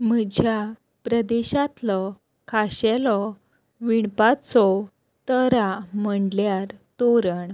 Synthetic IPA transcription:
məd͡ʑʱja | pɾəd̪eɕat̪lɔ | kʰaɕɛlɔ | ʋiɳpat͡sɔ | t̪əɾaməɳɖljaɾt̪oɾəɳ

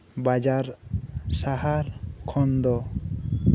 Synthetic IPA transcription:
bad͡ʒaɾsaɦaɾkʰɔnd̪ɔ

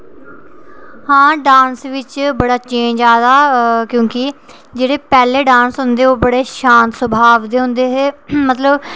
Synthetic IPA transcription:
hãːɖãːnsʋɪt͡ʃbəɽaːt͡ʃẽːɲd͡ʒaːd̪aːkjõːkɪ | d͡ʒeːɽeːpɛːleːɖãːnsɦʊ̃nd̪eːoːbəɽeːʃãːnt̪səbʱaːʋd̪eːɦʊ̃nd̪eːɦeːmət̪ləb

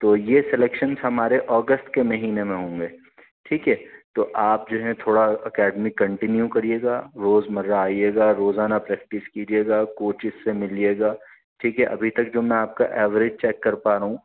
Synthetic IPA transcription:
t̪oːjesɛleːkʃənzɦɐmaːɾeʔɔːɡəsʈkemɐɦiːnemẽɦõːŋɡeː | ʈʰiːkɦɛːt̪oːʔaːp̚d͡ʒoːɦɛ̃t̪ʰoːɽaɐkɛːɖmikɐ̃ɳʈɪnjũkɐɾieːɡaːɾoːzmɐɾːaːieːɡaːɾoːzaːnapɾɛːk̚ʈɪskiːd͡ʒieːɡaːkoːt͡ʃɪsːemɪlieːɡaː | ʈʰiːkɦɛʔɐ̰bʱit̪ɐk̚d͡ʒoːmɛ̃aːp̚ka̰ʔɛːʋɾɪd͡ʒt͡ʃɛːkːɐɾpaːɾaɦũː

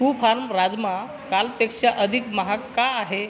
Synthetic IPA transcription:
kufʰaɾmɾad͡zma | kalpekʂaʔəd̪ʱikməɦakːaaɦe

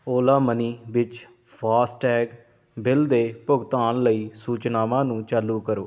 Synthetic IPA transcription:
oːlaːməniːʋɪt͡ʃ | pʰaːsʈɛːk | bɪld̪eːpʊɡt̪aːnləiːsuːt͡ʃnaːʋãːnũːt͡ʃaːlːũːkəɾoː

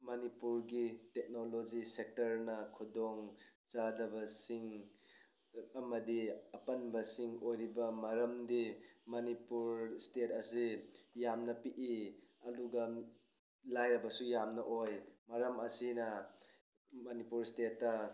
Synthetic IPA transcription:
mɐnipuɾɡitek̚nolod͡ʒisek̚tɐɾnɐkʰudoŋt͡ʃadɐbɐsiŋ | ɐmɐdiɐpɐnbɐsiŋojɾibɐmɐɾɐmdimɐnipuɾstetɐsijamnɐpiʔiɐduɡɐ | lajɾɐbɐsujamnɐʔojmɐɾɐmɐsinɐ | mɐnipuɾstetːɐ

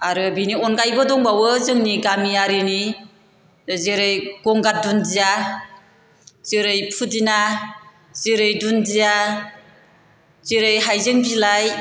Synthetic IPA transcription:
aɾɯbiniɔnkajbɯdɔŋbawɯzɯŋniɡamiaɾini | zeɾɯjɡ̥ɔŋɡat̚dundija | z̥iɾɯjpʰudina | z̥iɾɯjdundija | z̥iɾɯjɦajzɯŋbilaj

